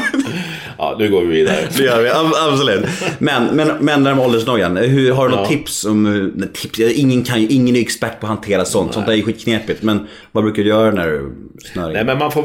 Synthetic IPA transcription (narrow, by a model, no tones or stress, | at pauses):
ɑ̰ːnʉ̟ːɡoːvɪviːd̪a̰ɾə̰d̪ɛjœːɾvɪaabsɔlʉ̟ːt̪mɛnmɛnmɛnːæːɾmɛɔld̪əʂnɔɾjːanɦɵɦaɖɵnɔt̪ʰːɪpsɔmt̪ʰɪpsɪŋːənkʰanjʔɪŋːənɛkspæʈ̚ːpʰɔɦant̪ʰeːɾasɔnt̪sɔnt̪æɛjɵɧiːt̪kʰneːpɪt̪mɛn | vabɾʉ̟ːkad̪ɪjœːɾanæ̰ɾ | snœ̰ɾnɛmɛnmanfoː